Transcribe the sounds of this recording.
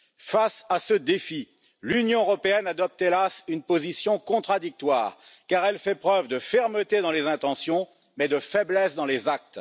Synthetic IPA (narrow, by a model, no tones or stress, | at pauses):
fasasəd̪efi | lynjɔ̃əʁɔpeɛnad̪ɔp̚t̪elasynpozisjɔ̃kɔ̃t̪χad̪ik̚t̪wa̰ːʁkaʁɛlfɛpχœvd̪əfɛʁmət̪ed̪ɑ̃lezɛ̃t̪ɑ̃sjɔ̃ | mɛd̪əfɛblɛsd̪ɑ̃lezak̚t̪